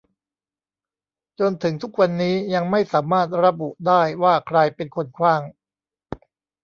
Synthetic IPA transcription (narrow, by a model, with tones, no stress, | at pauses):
t͡ɕo˧nt̪ʰɯ˩˦ŋt̪ʰu˦˥k̚wa˧nːiː˦˥ja˧ŋma˥˩jsaː˩˦maː˥˩t̪̚ɾa˧bu˨˩ʔdaː˥˩jwaː˥˩kʰɾa˧jpe˧nkʰo˧nkʰwaː˥˩ŋ